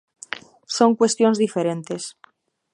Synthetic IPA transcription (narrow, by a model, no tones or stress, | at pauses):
so̞ŋkwe̞st̪jonzðifeɾẽ̞nt̪e̞s